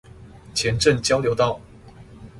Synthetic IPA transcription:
t͡ɕʰjɛ˧˦nʈ͡ʂə˥˨ŋt͡ɕjɑ˥ʊljo˧˥ʊt̪ɑ˥˩ʊ

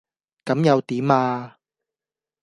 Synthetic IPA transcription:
kɐ˨˧˥mjɐ˨˧wt̪iː˨˥maː˧

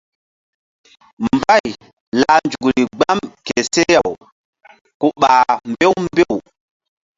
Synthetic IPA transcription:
mba˦˨j | la˨nd͡ʒu˨ɡɾi˨ɡ͡ba˦mke˨se˦ja˨w | ku˨ɓaː˨mbe˦wmbe˦˨w

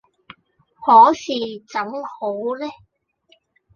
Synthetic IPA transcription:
hɔː˨˥siː˨˩t͡sɐ˨˥ŋho˨˥wlɛ˥

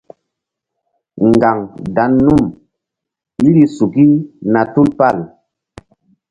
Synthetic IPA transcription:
ŋ˨ɡa˨ŋda˨˦nːu˦˨m | i˦ɾi˨˦su˨ki˦na˨tu˦lpa˦˨l

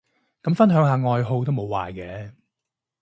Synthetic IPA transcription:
kɐ˨˥mfɐ˥nɦœː˨˥ŋɦaː˨ŋɔː˨˧jɦo˧wt̪o˥wmo˨˧wa̰ː˨jkɛː˨˥

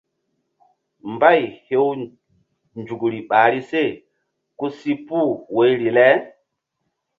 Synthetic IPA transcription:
mba˦˨jhe˦w | nd͡ʒu˨kɾi˨ɓaː˨ɾi˦se˦˨ | ku˦si˦pu˦˨we˨˦jɾi˨lɛ˦

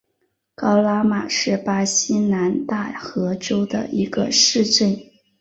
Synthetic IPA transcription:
kɑ˥ʊla˥ma˨˩ʂɻ̩˥˩pa˥ɕi˥na˧˥nt̪a˥˩xɤ˧˥ʈ͡ʂo˥ʊd̪ə̰˨ʔi˧˥ɡə̰˧ʂɻ̩˥˧ʈ͡ʂə˥˩n

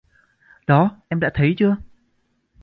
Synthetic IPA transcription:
ɗɔ˨˦ʔɛ˧mɗa̰ː˧˥t̪ʰə˨˦jt͡ɕɨ˧ə

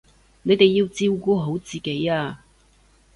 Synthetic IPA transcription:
ne˨˧jt̪e˨jːi˧wt͡siː˧wkuː˧ɦo˨˥wt͡siː˨ke˨˥jaː˧

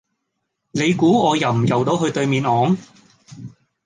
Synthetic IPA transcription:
ne˨˧jkuː˨˥ɔː˨˧jɐ˨wm̩˨˩jɐ˨˩wt̪o˨˧˥wɦɵ˧ɥt̪ɵ˧ɥmiː˨˧nɔː˨˧˥ŋ

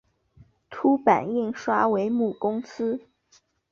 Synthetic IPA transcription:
t̪ʰu˥pa̰˨˩ni˥˩ŋʂwa˥we˧˥ɪmu˥˨˩kʊ˥ŋsɹ̩˥

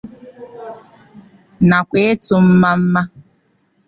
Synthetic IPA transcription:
na˨kʷe˦e˦tʊ˨m̩˦ma˦m̩˦ma˦

